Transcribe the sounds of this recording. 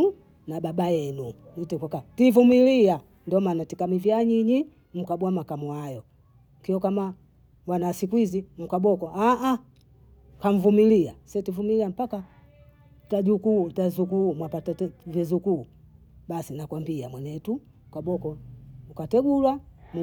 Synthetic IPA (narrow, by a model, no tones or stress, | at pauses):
nababajɛnu | nitɛkwakativumilia | ndɔmanatikamivjaɲiɲi | m̩kabwamakamwajɔ | kiɔkama | wanasikuizim̩kabɔkɔaʔa | kaɱ̩vumiliasɛtivumiliam̩paka | tad͡ʒukutazukumwapatavjɛzuku | basinakwambiamwɛɲɛtu | ukabɔkɔukatɛɡulwam